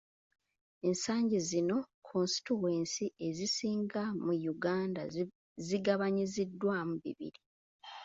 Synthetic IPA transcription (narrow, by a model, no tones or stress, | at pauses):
e̞nsaːɲɟizino̞kʰonsi̥tuwe̞ːnsie̞zisiːŋɡamujuɡaːnda | ziɡaβaɲizidːwamuβḭβḭɾi